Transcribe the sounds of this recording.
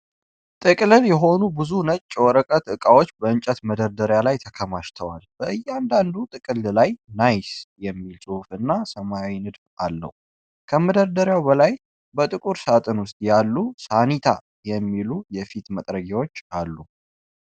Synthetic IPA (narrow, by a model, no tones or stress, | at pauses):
t̪ʼɨkʼlɨljɛɦo̞nubɨzunət͡ʃʼːwɔɾəkʼət̪ɨkʼawo̞t͡ʃːbəɨnt͡ʃʼət̪məd̪əɾd̪əɾjalajt̪ʰəkʰəmaʃt̪ʰəwalb̥əʔɨjːɛand̪and̪ut̪ʼɨkʼɨllajnajsjɛmːilsʼuhufɨnːasəmajawinɨd̪falːə̰hu | kʰəməd̪əɾd̪əɾjawbəlaj | bət̪ʼɨkʼuɾsat̪ʼɨnwʊst̪ʼjalːusanit̪ʰa | jɛmːilujɛfit̪mət̪ʼɾəɡawot͡ʃːalːu